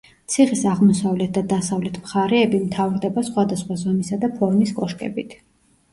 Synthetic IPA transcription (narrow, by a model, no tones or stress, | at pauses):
t̪sʰiχisaʁmɔsavlɛt̪̚ʰd̪ad̪asavlɛt̪ʰmχaɾɛːbimt̪ʰavɾd̪ɛbasχwad̪asχwazɔmisad̪apʰɔɾmiskʼɔʃkʼɛ̰bit̪ʰ